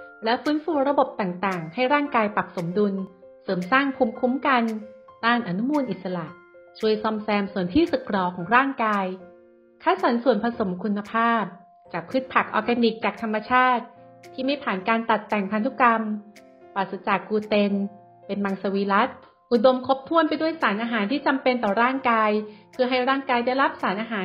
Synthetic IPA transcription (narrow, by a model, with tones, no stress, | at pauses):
lɛ˦˥fɯː˦˥nfuː˧ɾa˧bo˨˩p̚t̪aː˨˩ŋt̪aː˨˩ŋha˥˩jɾaː˥˩ŋkaː˧jpa˨˩p̚so˩˦mdu˧n | sɤː˩˦msaː˥˩ŋpʰuː˦˧mkʰu˦˥mka˧ndaː˥˩nʔa˧nu˦˥muː˧nʔi˨˩t̪̚sa˧la˨˩ʔ | t͡ɕʰu˧əjsɔ˧msɛː˧msu˨˩ənt̪ʰiː˥˩sɯ˨˩kʰɾɔː˧˩kʰɔː˩˦ŋɾaː˥˩ŋkaː˧j | kʰaː˦˥˩sɔ˨˦nsu˨˩ənpʰa˧so˩˦mkʰu˧nːa˧pʰaː˥˩p̚ | t͡ɕaː˨˩k̚ʰɯ˦˥t̪̚pʰa˨˩k̚ʔɔː˧kɛ˧ni˨˩k̚t͡ɕaː˨˩k̚t̪ʰa˧mːa˧t͡ɕʰaː˥˩t̪̚ʰː | iː˥˩ma˥˩jpʰaː˨˩nkaː˧nt̪a˨˩t̪ːɛ˨˩ŋpʰa˧nt̪ʰu˦˥ka˧m | paː˨˩t̪sa˧˥t͡ɕaː˨˩kːuː˧t̪e˧n | pe˧nma˧ŋsa˧wiː˧la˦˥t̪̚ | ʔu˨˩do˧mkʰo˦˥p̚t̪ʰu˥˩ənpa˧jdu˥˩əjsaː˩˦nʔaː˧ɦaː˩˦nt̪ʰiː˥˩t͡ɕa˧mpe˧nt̪ɔː˨˩ɾaː˥˩ŋkaː˧jpʰɯː˧ɦa˥˩jɾaː˥˩ŋkaː˧jda˥˩jɾa˦˥p̚saː˩˦nʔaː˧ɦaː˩˦n